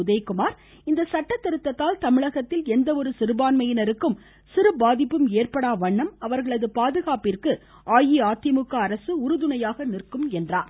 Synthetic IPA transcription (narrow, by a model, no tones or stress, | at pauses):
ʊðɐjkʊmaːɾ | ɪnd̪ɐsɐʈːɐt̪ːɪɾɯt̪ːɐt̪ːaːlt̪ɐmɪɻɐɣɐt̪ːɪlɛnd̪ɐɔɾɯsɪɾɯbaːnmɐjɪnɐɾɯkːɯm | sɪɾɯbaːðɪpːɯmeːrpɐɽaːʋɐɳːɐmɐʋɐɾɣɐɭɐðɯpaːðɯɣaːpɪrkɯ | ʔaːjiaːt̪ɐmɯkːɐːɾɐsɯʊɾɯðʊnɐjaːɣɐnɪrkɯmɛndraːn